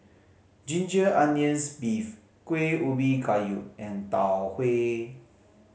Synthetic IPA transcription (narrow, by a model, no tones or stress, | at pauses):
d͡ʒĩnd͡ʒəʔãniə̃nsbif | kweubikajuʔ̚ɛ̃nt̪awhwe